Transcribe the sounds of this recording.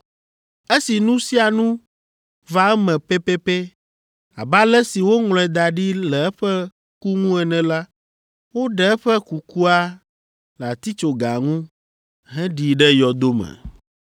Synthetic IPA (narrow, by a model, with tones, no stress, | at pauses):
e˦si˨nũ˦si˦a˨nũ˦ | va˦ɛ˦mɛ̃˨pɛ˦pɛ˦pɛ˦ | a̰˨ba˦lɛ˦si˨wo˦ŋlɔ̃˨ɛ˨d̪a˨ɖi˦lɛ˨ɛ˦ɸɛ˦ | ku˦ŋũ˦ɛ˨nɛ̃˨la˦ | wo˦ɖɛ˦ɛ˦ɸɛ˦ku˨ku˦a˦ | lɛ˨a˨t̪i˦t͡ʃo˨ɡa˨ŋũ˦ | ɦɛ̃˦ɖi˨ɖɛ˦jɔ˨d̪o˦mɛ̰˨